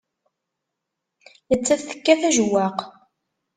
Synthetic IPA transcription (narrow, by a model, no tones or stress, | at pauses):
jət͡sːæθθə̥kːæθæʒwːæq